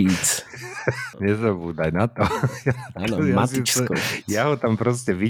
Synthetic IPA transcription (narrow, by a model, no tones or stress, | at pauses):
it͡s | ɲɛzabuːd̪ajnat̪ɔjajaasisjaɦɔt̪ampɾɔs̬cɛʋi